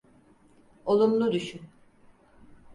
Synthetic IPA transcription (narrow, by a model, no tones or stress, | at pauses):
o̞lˠumlˠud̪yʃyn